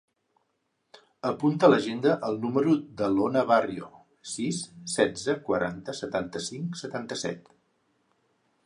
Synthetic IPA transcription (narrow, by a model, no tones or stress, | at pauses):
əpunt̪ələʒend̪əʔəlˠnuməɾud̪əlonəβarjo | sisːɛd͡zəkwəɾant̪əsət̪ant̪əsiŋksət̪ant̪əsɛ̰t̪